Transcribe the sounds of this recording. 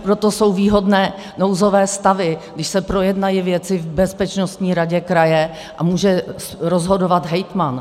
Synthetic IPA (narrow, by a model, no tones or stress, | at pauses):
pɾot̪o̞so̞wviːɦo̞dnɛː | no̞wzo̞vɛːst̪avɪɡdɪʃsɛpɾo̞jɛdnajɪvjɛt͡sɪvbɛspɛt͡ʃnost̪ɲiːɾaɟɛkɾajɛ | ʔa̰muːʒɛ | ɾozɦodovat̪ɦɛjt̪man